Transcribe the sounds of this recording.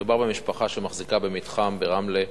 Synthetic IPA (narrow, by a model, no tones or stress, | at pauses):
ubaʁbemiʃpaχaʃemaχzikabe̞mitχambeʁamle